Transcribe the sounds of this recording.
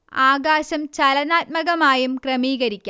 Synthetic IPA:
aːɡaːɕɐmt͡ɕɐlɐnaːt̪̚mɐɣɐmaːjumkrɐmiːɣɐɾikʲːa

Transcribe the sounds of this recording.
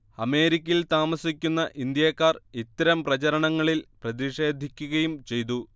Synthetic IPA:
ɐme̞ːɾikʲːjilt̪aːmɐsikʲːunːɐʔind̪jɐːkːaːrit̪ːɐɾɐmprɐt͡ɕɐɾɐɳɐŋːɐɭilprɐðiʂe̞ːd̪ʱikʲːuɣɐjumt͡ɕe̞jt̪̬u

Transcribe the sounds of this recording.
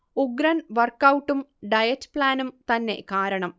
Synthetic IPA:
uɡɾɐnʋɐrkːɐwʈːumɖɐjɐtːpɭaːnumt̪ɐnːe̞̰kaːɾɐɳɐm

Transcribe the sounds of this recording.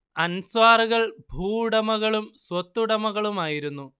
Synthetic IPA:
ɐnswaːruɣɐɭbʱuːɽɐmɐɣɐɭumswɐt̪ːuɽɐmɐɣɐɭumaːjiɾunːu

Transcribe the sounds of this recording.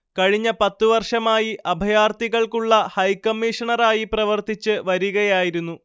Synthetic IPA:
kɐɻiɲːɐpɐt̪ːuʋɐrʂɐmaːjiʔɐbʱɐjaːrt̪iɣɐɭkuɭːɐhɐjkɐmːiʂɐɳɐɾaːjiprɐʋɐrt̪it͡ɕːɨʋɐɾuɣɐjaːjiɾunːu

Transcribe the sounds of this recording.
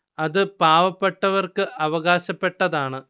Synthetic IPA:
ɐðɨpaːʋɐpːe̞ʈːɐʋɐrkɨʔɐʋɐɣaːɕɐpːe̞ʈːɐðaːɳɨ

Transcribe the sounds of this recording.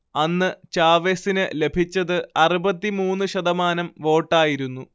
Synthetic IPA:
ɐnːɨt͡ɕaːʋesinɨle̞bʱit͡ɕːɐðɨɐrubɐt̪ːimuːnːɨɕɐðɐmaːnɐmʋo̞ːʈːaːjiɾunːu

